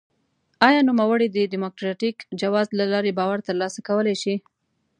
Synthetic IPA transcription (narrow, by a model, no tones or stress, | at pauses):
ɑjɑnumawəɽid̪əɖimokɾɑʈikd͡ʒawɑzlalɑɾebɑwaɾt̪əɾlɑsakawəlejʃi